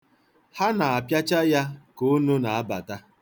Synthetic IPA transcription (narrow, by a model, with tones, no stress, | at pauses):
ha˦na˨a˨pja˦t͡ʃa˦ja˦ko˦nu˦na˨a˦ba˨ta˦